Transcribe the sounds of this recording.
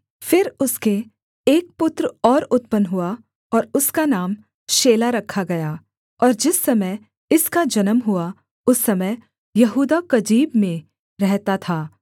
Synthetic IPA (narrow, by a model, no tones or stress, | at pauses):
fɪɾʊske | eːk̚pʊt̪ɾɔːɾʊt̪pənɦʊa | ɔːɾʊskanaːm | ʃeːlaɾɐkʰːaɡɐja | ɔːɾd͡ʒɪsːɐməj | ɪskad͡ʒɐnəmɦʊa | ʊsːɐməj | jɐɦuːd̪akɐd͡ʒiːbmẽ | ɾɛɦt̪at̪ʰaː